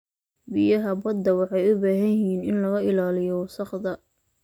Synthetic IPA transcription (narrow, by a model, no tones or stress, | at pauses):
bɪjɐɦɐbɐd̪ːɐwɑħɑjʊbaːɦɐjɪɦiːnɪnlɐɣɐʔɪlaːlɪjɔwsɑχd̪ɐ